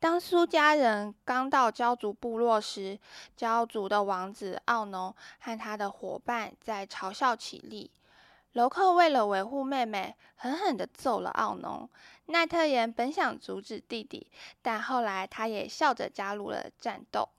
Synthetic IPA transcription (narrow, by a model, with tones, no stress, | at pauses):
t̪ɑ˥ŋsu˥t͡ɕja˥ɻə˧˥nkɑ˥ŋt̪ɑ˥˩ʊt͡ɕjɑ˥ʊt͡su˧˥pu˥˧lwɔ˥˨˩ʂɻ̩˥t͡ɕjɑ˥ʊt͡su˧˥d̪ə˨wɑ˧˥ŋt͡sɹ̩˨˩ɑ˥˩ʊnʊ˧˥ŋxa˥˩nt̪ʰa˥d̪ə˨xwɔ̰˨˩pa˥˧nt͡sa˥˩ɪʈ͡ʂʰɑ˧˥ʊɕjɑ˥˩ʊt͡ɕʰḭ˨˩lḭ˥˩ | lo˧˥ʊkʰɤ˥˧we˥˩ɪlə˩we˧˥ɪxu˥˧me˥˩ɪme˨˩ɪ | xə˧˥nxə˨˩nd̪ə˦t͡so˨˩ʊlə̰˨˩ʔɑ̰˥˩ʊnʊ̰˧˥ŋ | na˥˧t̪ʰɤ˥˩jɛ˧˥npə˧˥nɕjɑ˨˩ŋt͡su˧˥ʈ͡ʂɻ̩˨˩t̪i˥˧t̪ḭ˨˩t̪a˥˧nxo˥˩ʊla˧˥ɪt̪ʰa˥jɛ˨˩ɕjɑ˥˩ʊʈ͡ʂə̰˨˩t͡ɕja˥lṵ˥˩lə̰˩ʈ͡ʂa̰˥˧nt̪o̰˥˩ʊ